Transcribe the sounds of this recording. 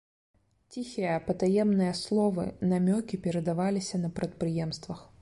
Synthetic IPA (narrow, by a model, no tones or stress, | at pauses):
t͡sʲixʲijɐpɐt̪ajɛmnɨjɐslˠɔvɨ̰namʲɔkʲipʲɛɾɐd̪avalʲisʲɐnɐpɾɐt̪̚pɾɨjɛmst̪vɐx